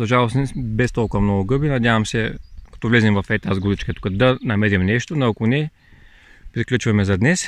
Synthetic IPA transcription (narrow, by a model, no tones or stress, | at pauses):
zɐʒalˠosnɛbɛst̪ɔlˠkʊvɐmnɔɡʊɡɤbinɐd̪ʲjavɐmsɛkɐ̥t̪ɔvlɛzɛmvɐfɛt̪azɡud̪it͡ʃkɐt̪u̥kɐd̪ɐnɐmɛɾʲimnɛʃt̪onɐkʊnɛ | pɾiklʲut͡ʃvɐmɛzɐd̪nɛs